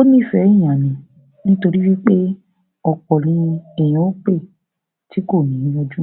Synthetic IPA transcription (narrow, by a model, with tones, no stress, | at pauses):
o˦nĩ˦fɛ̃˨˦˨ã˨mĩ˨ | ñ̩˦to˧ɾi˦wi˦k͡pe˦ | ɔ˨k͡pɔ˨nĩ˧ɛ˨j̃ɔ̃˨o˦k͡pe˦˨ | ti˨˦ko˦˨nĩ˨˦jɔ˧d͡ʒu˦